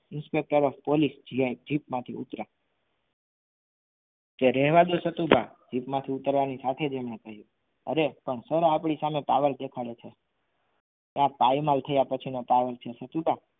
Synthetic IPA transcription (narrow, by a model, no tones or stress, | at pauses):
ɪnspek̚ʈəɾɔfpolisd͡ʒiajd͡ʒipmãt̪ʰiṵt̪ɾa | keɾɛɦʋad̪osət̪ubʱad͡ʒipmãt̪ʰiut̪əɾʋanisat̪ʰed͡ʒemnẽkəɦjũ | ə̰ɾepəɳsəɾaapɳisamepa̰ʋəɾd̪ekʰaɭet͡ʃʰe | t̪jãpajmalt̪ʰəjapət͡ʃʰinopaʋəɾt͡ʃʰesət̪ubʱa